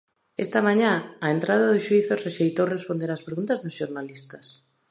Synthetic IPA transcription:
ḛst̪amaɲãːent̪ɾaðaðʊʃuiθoreʃejt̪owrespond̪eɾaspɾeɣunt̪azðʊsʃoɾnalist̪ɐs

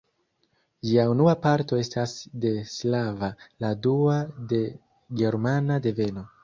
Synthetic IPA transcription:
d͡ʒiaunuapaɾto̞e̞stasde̞slavaladuade̞ | ɡe̞ɾmanade̞ve̞no̞

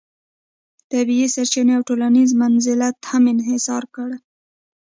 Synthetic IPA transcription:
t̪abiisaɾt͡ʃɪneawʈolanizmanzɪlat̪hamɪnɦɪsɑ̰ɾkəɽ

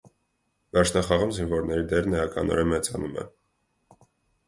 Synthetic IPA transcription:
vɛɾt͡ʃʰnɑχɑʁumzinvɔɾnɛɾid̪ɛɾnəjɑkʰɑ̰nɔ̰ɾɛmɛt͡sɑnumɛ̰

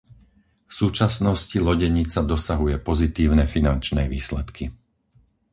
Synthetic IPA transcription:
fsuːt͡ʃasnɔscilɔɟɛɲit͡sad̪ɔsaɦujɛpɔzit̪iːʊnɛfinant͡ʃnɛʋiːslɛt̪kʰi

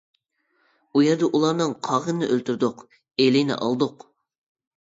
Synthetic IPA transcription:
ujɛɾd̪ɛʔulˠɑɾnɨŋqʰɑʁənɨ̰ʔølt̪yɾd̪ʊq | elɪjnɪ̰ʔɑ̰lˠd̪ʊq

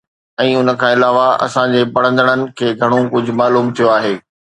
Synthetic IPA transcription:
ɛ̃ːʊnə̆kʰãːɪlaːʋaɐ̰sãd͡ʑeːpɐɽ̃ə̃nd̪əɽ̃ənɪ̆kʰeːɡʱɐɽ̃okʊd͡ʑʱʊ̆maːluːmt̪ʰijoaːɦeː

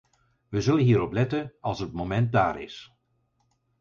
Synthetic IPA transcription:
ʋəzɵlənɦiːəɾɔplɛtənɑlˠsət̚momɛnt̚da̰ːɾɪ̰s

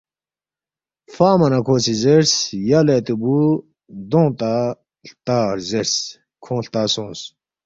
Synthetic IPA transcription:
faːmɐnɐkʰoːsizeɾsjalet̪ubu | d̪õːt̪a | ɬt̪aːɾzeɾs | kʰõːɬt̪aːsõːs

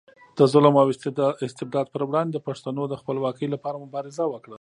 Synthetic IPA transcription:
d̪̥əzʊlmɑwɪsɪst̪ɪb̚d̪ɑd̪̚pəɾwɽɑnd̪ed̪əpaʂt̪anod̪əxpəlwɑkəjlapɑɾamʊbɑɾɪzawəkɽa

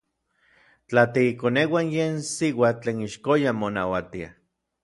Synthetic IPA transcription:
t͡ɬat̪iikonewanjeːnsiwat͡ɬeːniʃkojamona̰wat̪ia̰

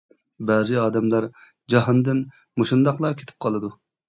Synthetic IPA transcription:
bɑːzɨɑːd̪ɛmlˠɑɾ | d͡ʒɑɦɑnd̪ɨn | moʃund̪ɑqlˠɑkʲʰe̥t̪ʰɪ̥p̚qʰɑlˠɨd̪u

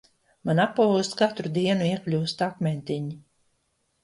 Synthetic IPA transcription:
manapːaust̪kat̪ɾud̪iɛnuiɛklʲuːst̪akmʲɛnt̪ʲiɲi

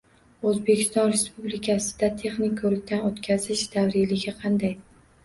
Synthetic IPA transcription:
ɵzbekʲɪ̥st̪ɒnɾe̞spublɪkʰʲasɪ̥d̪at̪ʰe̞χnɪkʲːʰɵɾɪk̚ʲt̪ʰanot̪kʲʰazɪʃd̪̥avɾɪlɪɡʲaqʰɑnd̪aj

